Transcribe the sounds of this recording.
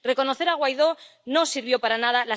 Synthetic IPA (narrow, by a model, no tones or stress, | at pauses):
re̞ko̞noθe̞ɾaɣ̞wajðo̞ | no̞siɾβjo̞paɾanað̞ala